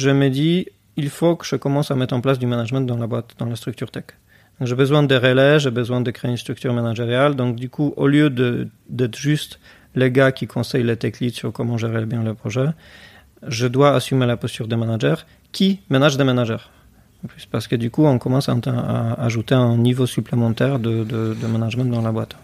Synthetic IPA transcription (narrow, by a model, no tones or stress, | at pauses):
ʒəməd̪i | ilfokəʒəkɔmɑ̃samɛt̪χɑ̃plasd̪ymanaʒmɑ̃t̪̚d̪ɑ̃labwat̪d̪ɑ̃last̪χyk̚t̪yʁt̪ɛk | d̪ɔ̃ŋkʒebəzwɛ̃d̪əʁeleʒebəzwɛ̃d̪əkχeeynst̪χykt̪yʁmanaʒeʁjald̪ɔ̃k̚d̪ykʰuʔoljød̪ə | d̪ɛt̪χʒyst̪ | leɡakʲikʰɔ̃sɛjlet̪ɛkniksyʁkɔmɑ̃ʒeʁelebjɛ̃ləpχɔʒɛ | ʒəd̪waasymelapɔst̪yʁd̪emanaʒɛʁ | kʲʰimenaʒd̪emanaʒɛʁ | pipaʁsə̥kəd̪ykuɔ̃kɔmɑ̃saɛ̃t̪ɛ̃a̰aʒut̪eɛ̃nivosyplemɑ̃t̪ɛʁd̪əd̪əd̪əmanaʒmɑ̃t̪̚d̪ɑ̃labwat̪